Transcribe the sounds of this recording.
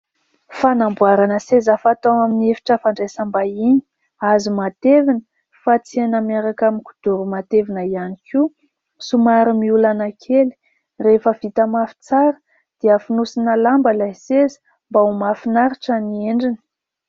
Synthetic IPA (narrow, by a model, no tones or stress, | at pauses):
fanambuaɾanəsezafat̪owaminiefi̥ʈ͡ʂəfaɳɖ͡ʐajsambaini̥ | azimat̪evinə̥ | fat͡sianəmaɾakamiku̥d̪̥uɾumat̪evinəianikʰu | sumaɾimiulanakʰeli̥ | refəv̥it̪əmafi̥t͡saɾə̥ | d̪̥iəfinusinalambəlasezə̥ | mbaumafinaɾiʈ͡ʂanieɳɖ͡ʐinə